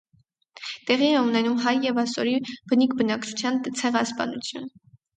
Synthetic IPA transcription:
t̪ɛʁiɛunɛnumɦɑjːɛvɑsɔɾib̥ənikʰbənɑkt͡ʃʰu̥t͡sʰjɑnt͡sʰɛʁɑspɑ̰nut͡sʰjun

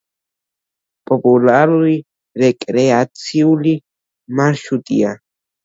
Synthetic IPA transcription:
populaɾui | ɾekʼɾeat͡siuli | maʃut̪ḭa

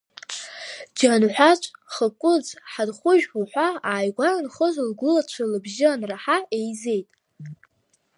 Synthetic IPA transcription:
d͡ʒanħʷᶣat͡ʃʷʼχəkʷʼʊd͡zħadχʷʊʒᶣuħʷaaːjɡʷarɨnχəzlɡʷʊlat͡ʃʷʰalɨbʒɪanraħaejze̞jtʼ

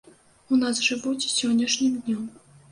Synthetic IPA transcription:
unasʐɨvud͡zʲsʲɔnʲːɐʂnʲɨmd̪ʲnʲɔm

